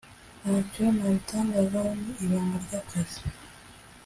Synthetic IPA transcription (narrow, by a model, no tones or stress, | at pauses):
naconaβitaːŋɡazaniiβaːŋɡaɾɟakʰazi̥